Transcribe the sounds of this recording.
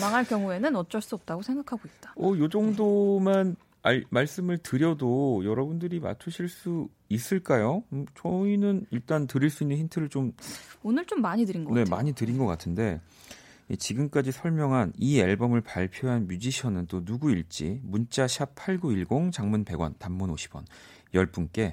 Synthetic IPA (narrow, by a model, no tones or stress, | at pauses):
maŋɦaɭkjʌŋue̞nɯnʌt̚t͡ɕ͈ʌɭs͈uʌp̚t͈aɡosʰe̞ŋɡakʰaɡoit̚t͈ḁʌjod͡ʑʌŋdoman | amaɭs͈ɯmɯɭtɯɾjʌdojʌɾʌbundɯɾima̰t͡ɕʰuɕʰiɭs͈u | is͈ɯɭk͈ajot͡ɕʰʌinɯniɭt͈antɯɾiɭs͈uinːɯnçintʰɯɾɯɭt͡ɕomonɯɭt͡ɕomːaɲidɯɾinɡʌne̞ma̰ɲitɯɾinɡʌk͈atʰɯnde̞ | it͡ɕiɡɯmk͈ad͡ʑisʰʌɭmjʌŋɦanieɭbʌmɯɭpaɭpʰjoɦanmjud͡ʑiɕʰʌnɯnt͈onuɡuiɭt͡ɕ͈imunt͡ɕ͈aɕʰjapʰaɭɡuiɭɡoŋt͡ɕaŋmunpe̞ɡwa̰ntamːunoɕʰi̥bwʌ̰n | jʌɭp͈unk͈e̞